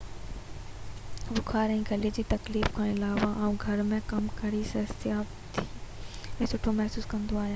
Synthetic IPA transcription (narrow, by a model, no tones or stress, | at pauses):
bʊkʰaːɾɛ̃ːɡʱɐled͡ʑiːt̪ɐkliːfkʰãːɪlaːʋaʔãːũɡʱɐɾmẽkɐmkɐɾisɐsɪaːbt̪ʰi | ɛ̃ːsʊʈʰomɛɦsuːskɐ̃nd̪oaːɦijaː